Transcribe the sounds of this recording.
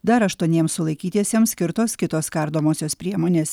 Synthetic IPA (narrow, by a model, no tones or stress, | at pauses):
d̪ɐɾɐʃt̪uɔnʲiɛmssʊlˠɐɪkʲiːt̪ʲiɛsʲeɛmsʲkʲɪɾt̪oːskʲɪt̪oːskɐɾd̪oːmoːsʲoːspʲɾʲiɛmoːnʲeːs